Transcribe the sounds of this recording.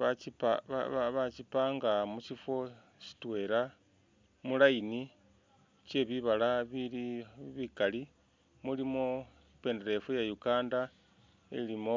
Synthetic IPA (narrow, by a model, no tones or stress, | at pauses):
βat͡ʃipaβaβaβat͡ʃipaːŋɡamuʃifo̞ | ʃi̥twe̞ɾa | mulaini | t͡ʃe̞βiβalaβiliβikali | mulimo | pe̞ndeɾe̞fujajukaːnda | ḭlimo